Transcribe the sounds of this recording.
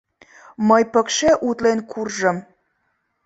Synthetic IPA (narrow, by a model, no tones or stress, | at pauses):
məjpəkʃeʔut̪lenkʰurʒəm